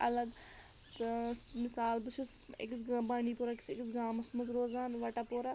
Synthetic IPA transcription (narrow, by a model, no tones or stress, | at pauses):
ɐləɡ̪ | mɪsaːlbət͡ʃʰʊsɪ̰ksɡbaːɽ̃iːpoːɾaːkɪ̥sɪksɡaːmɐsməkɾoːzaːnʋaʈaːpoːɾaː